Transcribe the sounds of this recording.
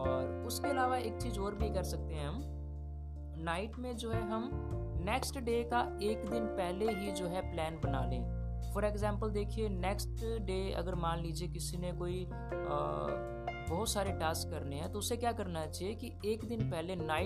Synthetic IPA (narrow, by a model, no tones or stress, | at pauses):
ɔːɾʊskeɐlaːʋaeːk̚t͡ʃiːzoːɾbʱikɐɾsɐk̚t̪eɦɛɦɐm | naːɪʈmẽd͡ʒoːɦɛɦɐmnɛːksʈɖeːkaeːkd̪ɪnpɛɦleɦid͡ʒoːɦɛplɛːnbɐna̰ːlḛ̃ː | fʰɔɾeːɡzɛ̃ːmpəld̪eːkʰienɛːksʈɖeːɐ̰ɡəɾmaːnliːd͡ʒiekɪsinẽkoːḭ | bɐɦʊt̪saːɾeʈaːskːɐɾneɦɛ̃t̪oʊsekjaːkɐɾnat͡ʃaijeki | eːkd̪ɪnpɛɦlenaːɪ